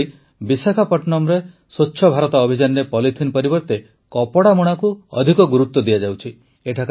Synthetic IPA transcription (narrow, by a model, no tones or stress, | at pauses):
i | bisakʰapɔʈnɔmɾe | sotːʃʰɔbʱaɾɔt̪aːbʱid͡ʒanːepɔlit̪ʰinpɔɾibɔɾt̪e | kɔpɔɽamuɽ̃akuɔ̰d̪ʱikɔɡuɾut̪ːɔd̪ijad͡ʒawt͡ʃʰi | eʈʰak